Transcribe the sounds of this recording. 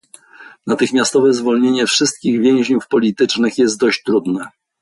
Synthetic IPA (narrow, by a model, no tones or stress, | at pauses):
nat̪ɘxmʲjast̪ɔvɛzvɔlɲeɲɛfʂɘst̪̚kʲiɣvʲjɛ̃w̃ʑɲufpɔlʲit̪ɘt͡ʂnɘxjɛst̪̚d̪ɔɕt͡ɕt̪ɾud̪nɛ